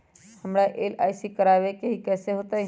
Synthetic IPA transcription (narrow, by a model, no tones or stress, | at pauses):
həmɽaʔeːla̰ːisikəɾaːʋekeɦikɛːseɦoːt̪ai